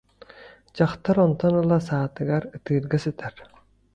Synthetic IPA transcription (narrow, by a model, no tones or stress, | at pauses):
d͡ʑɑχt̪aɾɔnt̪ɔnɯlˠasaːt̪ɯɡaɾɯt̪ɯːɾɡasɯt̪ʰæɾ